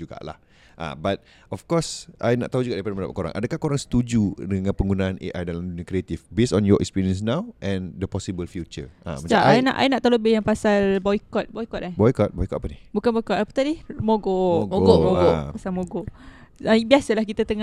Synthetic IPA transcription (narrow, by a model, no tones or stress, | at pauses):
d͡ʒuɡa̰ʔla̰h | ʔa̰bat̪̚ | ɔfkɔsʔajna̰ʔt̪aud͡ʒuɡaʔdaipadamənda̰pakoɾa̰ŋʔa̰dəkahkoɾaŋsə̥t̪ud͡ʒudəŋãnpəŋɡunaanḛʔajdalamdunəkɾiet̪ifbesɔ̃njɔʔɛ̰kspiɾiəns̬nawʔɛ̃ndəpɔsibəlfjut͡ʃə̰ʔa̰mə̃aʔina̰ʔa̰inaʔt̪auləbɪhjaŋpasalbɔikɔt̪̚bɔjikɔt̪̚abɔjkɔt̪̚bɔjkɔt̪̚apanihbukanbɔjkɔt̪̚apə̥t̪adimoɡoɡoɡomoɡoʔpasalmoɡoʔabiasəlahkit̪at̪əŋa